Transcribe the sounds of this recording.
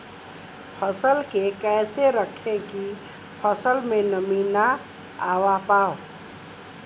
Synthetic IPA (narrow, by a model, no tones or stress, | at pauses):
pʰəsəlkekɛːseɾəkʰẽki | pʰəsəlmẽnəmiːna | aːwapaːo